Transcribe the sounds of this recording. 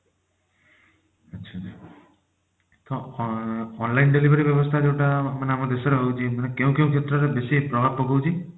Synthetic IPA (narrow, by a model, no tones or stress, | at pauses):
ətːʃʰad͡ʒ | t̪ɔ | ɔnlajnɖelibeɾibjɔbɔst̪ʰad͡ʒewʈamaneamɔd̪esɔɾeɦowt͡ʃʰimanekeũkeũkʰet̪ɾɔɾebesipɾɔbʱab̚pɔɡowt͡ʃʰi